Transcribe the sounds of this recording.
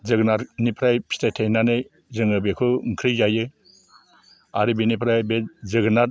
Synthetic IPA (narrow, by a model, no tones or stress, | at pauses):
zɯɡnaɾnipʰɾajpʰi̥tʰajtʰejnanɯj | zɯŋɯbekʰɯŋkʰɾɯjzajɯ | aɾibinipʰɾajbezɯɡɯnaɾ